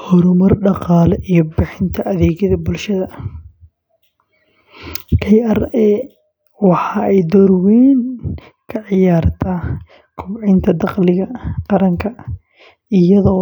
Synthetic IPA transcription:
hɔɾʊmɐrɖɑqɑːlɛʔijɞbɪħɪnt̪ʰɐʔɐðɛːɣjɐðɐbʊlʃɐðɐ | kʰɛjɛrɛː | wɑħɑːɛjd̪ɔɾwɛːn | kʰɐʕɪjaːrt̪ʰaː | kʰʊbʕɪnt̪ʰɐd̪ɑqlɪɣɐqɑɾɐŋkʰɐ | ɪjɐðɔː

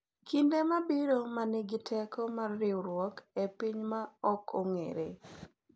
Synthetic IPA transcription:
kindemabiɾomanɪɡɪtʰɛkɔmarːɪɾwɔkepiɲmaɔkʰoŋḛɾḛ

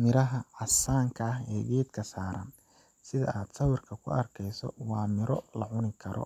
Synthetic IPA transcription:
mɪɾɐɦɐʕɑsaːŋkʰɐɐɦɛːɡɛːd̪kʰɐsaːɾɐ̰n | sɪðɐ̰ʔaːd̪sɐwɪrkʰɐkʰʊ̰ɐrkʰɛjsɔ̰wɑːmɪɾɔlɐʕʊnɪkʰɐɾɔ̰

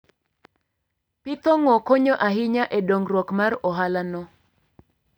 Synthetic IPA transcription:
pɪt̪ɔŋɔkɔɲɔʔaɦɪɲaʔɛdoŋɡrwɔkmarɔɦalanɔ

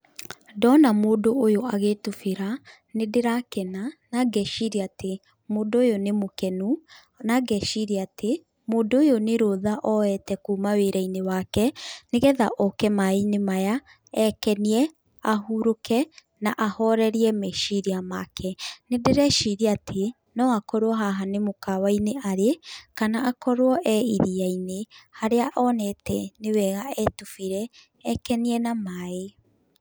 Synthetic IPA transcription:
dɔnamoːdoʔojoaɣetufeɾa | nedeɾakɛnanaɡɛʃiɾiate | moːndojonemokɛnu | naɡɛʃiɾiatʰe | moːndoːjoneɾoðaʔɔɛtɛkuːmaweɾɛinewakɛneɣɛða̰ʔɔkɛmainemaja | ɛkɛniɛ | ahuɾokɛ | naʔahɔɾɛɾiɛmɛʃiɾiamakʰɛnedeɾɛʃiɾiatʰe | nɔakɔɾwɔɦaɦanemokawaineʔaɾekanaʔakɔɾwɔʔɛiɾiainehaɾeaʔɔnɛtɛnewɛɣaɛtufiɾɛː | kɛniɛnamae

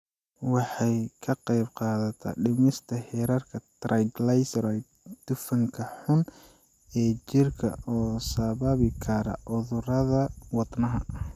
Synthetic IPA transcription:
wɑħɑjkʰɐqɑjbqɑːðɐt̪ʰɐ̰ɖɪmɪst̪ʰɐhɛːɾɐrkʰɐt̪rʔɐjɡlɐjsrɐjd̪̚ | d̪̥ʊfɐŋkʰɐħʊn | ɛːt͡ʃɪrkʰɐ̰ʔɔːsɐβɐβɪkʰɐɾɐ̰ʔʊðʊɾɐðɐwɑd̪nɐɦɐ

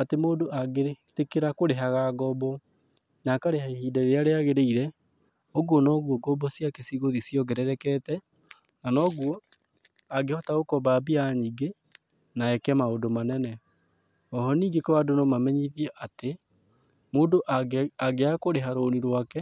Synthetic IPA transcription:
atemoːdoʔaɡetekeɾakoɾeɦaɣaɡɔbɔ | nakaɾeɦaihiːdɛɾeaɾeaɣeɾeiɾɛ | oɣuɔnɔɣwɔɡɔbɔsjakesiɣoðisjɔɣɛɾɛɾɛkɛtɛ | nanɔɣuɔ | aɡehɔtaɣokɔbabiaɲiːɡe | naɛkɛmaodomanɛnɛ | ɔɦɔniːɡekɔwadonɔmamɛɲiðiɛʔate | moːdoʔaɡeakoɾeɦaɾoniɾwakɛ

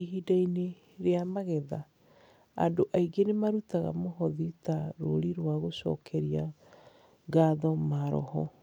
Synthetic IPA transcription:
ɦidaine | ɾeamaɣɛða | a̰ndoʔaiɡenemaɾutaɣa̰moɦɔðitaɾo̰ɾiɾwaɣoɕɔ̰ːkʰɛɾia | ɡaðɔmaɾɔ̰hɔ

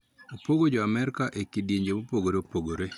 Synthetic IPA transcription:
opoɡod͡ʒoamɛɾkaʔekidjeɲd͡ʒebopoɡoɾeopoɡoɾe

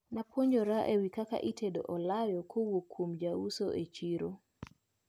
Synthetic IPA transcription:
napwoɲd͡ʒoɾaʔewikaka̰ʔitʰedo̰ʔɔlajɔkʰowokʰːumd͡ʒausoʔet͡ʃiɾo

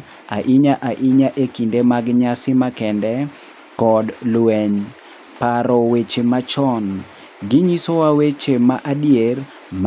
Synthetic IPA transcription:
a̰ʔiɲaʔaʔiɲaʔekindemaɡɲasɪmakɛndɛ | kɔdlwɛɲ | paɾɔwet͡ʃemat͡ʃɔn | ɡɪɲisowawet͡ʃemaʔadijer | m

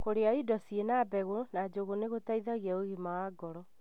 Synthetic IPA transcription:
koɾeaidɔsienabɛɣonad͡ʒoɣoneɣotaiðaɣɛoɣimawaɡɔɾɔ

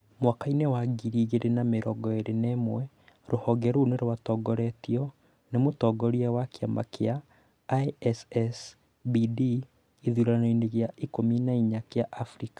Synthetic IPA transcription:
mwakainewaɡiɾiɣeɾenameɾɔɡɔeɾenemwɛ | ɾohɔɡɛɾuneɾowatɔɡɔɾɛtiɔ | nemotɔɡɔɾiɛwakjama̰kea | ɛsɛs | bidi | iðuɾanoineɣjaikominaiɲakeaʔafɾikḁ

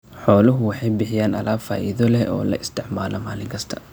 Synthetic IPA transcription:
ħɔːlʊɦʊwɑħɑjbɪħɪjaːnɐlaːfa̰ːʔiðɔlɛɔ̰ːlɐ̰ʔɪst̪ʰɪʕmaːlɔmaːlɪŋkʰɐst̪ʰɐ̥

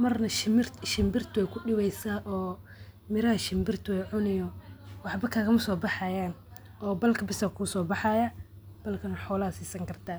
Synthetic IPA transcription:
mɐrnɐʃɪmɪrtʃɪmbɪrt̪ʰʊwɛjkʰʊɗɪwɛjsaːʔɔː | mɪɾɐɐʃɪmbɪrt̪ʰʊwɛjʕʊnɪjɔwɑħbɐkʰaːɣɐmɐsɔːbɑħɑːjaːn | ɔːbɐlkʰɐbɪsɐkʰusɔːbɑħɑjɐ | b̥ɐlkʰɐnɐħɔːlɐɐsiːsɐŋkʰɐrt̪ʰaː

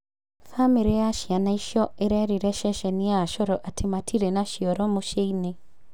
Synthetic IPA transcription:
famiɾejaʃjanaiʃɔeɾɛɾiɾɛʃɛʃɛniaʃɔɾɔʔatʰimatʰiɾɛnaʃiɔɾɔmoʃeine

